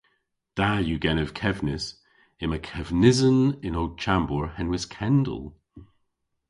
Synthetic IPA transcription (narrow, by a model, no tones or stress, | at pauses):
d̥ajuɡɛnəv̥kʰɛvnɪs | ɪməkʰɛvnɪzənɪnod̚t͡ʃʰambɔɹhɛnwɪskʰɛndə̰lˠ